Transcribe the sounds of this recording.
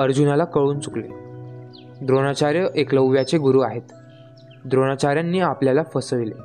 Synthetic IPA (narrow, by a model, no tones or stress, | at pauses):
əɾd͡ʑunalakəɭuːnt͡suklḛ | d̪ɾoɽ̃at͡ɕaɾjəʔekləwʋjat͡seɡuɾuːaɦet̪ | d̪ɾoñat͡ɕaɾjanːiːapljalafəsəʋile